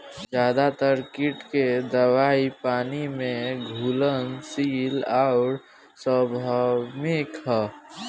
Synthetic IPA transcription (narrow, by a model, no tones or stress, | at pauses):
zjaːd̪at̪əɾkɪʈked̪əʋaːipaːnimẽɡʱuːlənsiːlaʊɾ | səbʱamɪkɦ